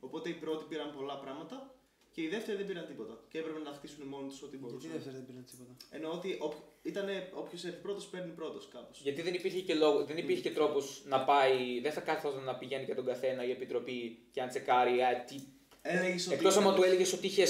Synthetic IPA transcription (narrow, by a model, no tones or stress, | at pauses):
o̞po̞t̪e̞ipɾo̞t̪ipiɾɐmpo̞lɐpɾɐɣmɐt̪ɐ | ce̞iðe̞ft̪eɾɐðebiɾɐnt̪ipo̞t̪ɐceepɾepenɐxt̪isunimo̞nit̪u̥so̞t̪iiðeft̪eɾðebiɾɐnt̪i̥pot̪ɐeno̞ot̪iʔopçit̪ɐne̞o̞pçosefipɾo̞t̪ospe̞ɾnipɾo̞t̪o̞skɐposʝɐt̪iðe̞nipiɾçecelo̞ɣoðe̞nipiɾçecet̪ɾo̞po̞znɐpɐiðenθɐkɐθotɐnɐpiʝe̞nicet̪o̞ŋɡɐθe̞nɐie̞pit̪ɾo̞piceɐnt͡se̞kɐɾiɐt̪i | eleʝesoekkt̪osɐmɐt̪ueleʝesot̪iiçe